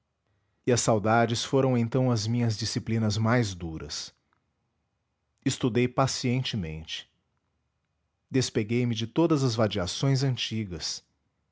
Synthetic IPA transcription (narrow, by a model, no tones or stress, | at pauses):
iɐsːawd̪ad͡ʒɪsfoɾɐ̃w̃ẽnt̪ɐ̃w̃ɐzmĩɲɐzd͡ʒisiplĩnɐzmajzd̪uɾɐ̰s | ɪst̪ud̪ejpasiẽnt͡ʃɪmḛ̃nt͡ʃɪ̥ | d̪espeɡejmɪd͡ʒɪt̪od̪ɐzɐzvad͡ʒiasõj̃zɐ̃nt͡ʃiɡɐs